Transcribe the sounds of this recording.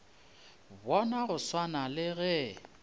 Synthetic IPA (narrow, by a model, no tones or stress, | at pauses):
bɔnaɣʊswanalɪɣɛ